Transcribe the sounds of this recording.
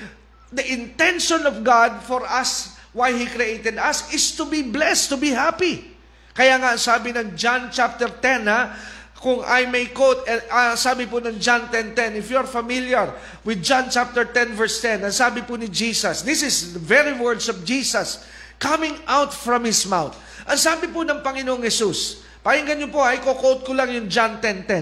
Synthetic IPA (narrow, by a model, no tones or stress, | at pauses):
d̪ɐʔɪ̃nt̪ɛ̃nʃɔ̃nɔvɡad̪̚fɔɹɐs | wajhikɾiʔejt̪ɛd̪ɐsɪst̪ʊbiblɛst̪ʊbiɦapi | kɐjaːŋaɐŋsaːbɪnɐŋd͡ʒãnt͡ʃap̚t̪ɛɹt̪ɛnakʊŋa̰jmejkowt̪ɛasaːbɪpʊnɐŋd͡ʒãnt̪ɛnt̪ɛnɪfjuaɹfɐmiljɐɹ | wɪd̪̚d͡ʒant͡ʃap̚t̪ɛɹt̪ɛ̃nvɛɹst̪ɛ̃nɐŋsaːbɪpʊnɪd͡ʒiːsɐsd̪ɪsɪsðɐvɛɹiwɛɹd̪sɔvd͡ʒiːsɐs | kɐmɪ̃ŋʔawt̪fɹɐ̃mhɪsmawt̪ | ʔɐŋsaːbɪpʊnɐŋpɐŋɪnoʔoŋhɛsus | pajɪŋɡɐnɲjopoʔɐjkokowt̪̚kʊlaŋjʊŋd͡ʒant̪ɛnt̪ɛ